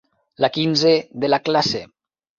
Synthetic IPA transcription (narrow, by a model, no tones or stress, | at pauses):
lakinzeðelaklasḛ